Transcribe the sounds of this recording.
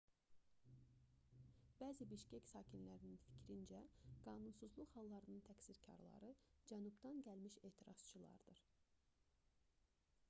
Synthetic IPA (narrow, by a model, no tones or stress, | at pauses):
b̥æːzibiʃcæcsɑːcʰinlæɾininfi̥cʰɾind͡ʒæɡ̥ɑːnunsuzlˠuχhɑlˠːɑɾɯnɯnt̪ʰækʲsiɾcʰɑ̰ɾlˠɑ̰ɾɯd͡ʒænubd̪ɑnɟælmiʃe̞ːt̪ʰiɾɑz̥t͡ʃʰɯlˠɑ̰ɾd̪̥ɯɾ